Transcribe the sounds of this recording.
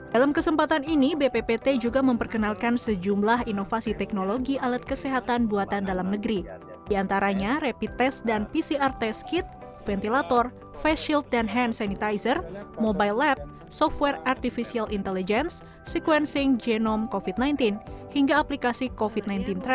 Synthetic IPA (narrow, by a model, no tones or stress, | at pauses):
d̥alamkəsəmpat̪aninibepepet̪ed͡ʒuɡaməmpərkənalkansəd͡ʒumlaɦinofasit̪ɛk̚noloɡiʔalət̪̚kəsɛɦat̪anbuat̪andalamnəɡɾi | diant̪aɾaɲarepit̪ɛsdanpisiart̪ɛskit̪̚ | fɛnt̪ilat̪ɔr | fɛʃilt̪̚danɦɛnsanit̪ajsərmobailːɛp̚ | sɔft̪̚wɛrart̪ifisialʔint̪ɛlid͡ʒɛnsː | ikwɛnsɪŋd͡ʒɛnɔmkofit̪̚najnt̪inhiŋɡaːplikasikofit̪̚najnt̪int̪ɾɛ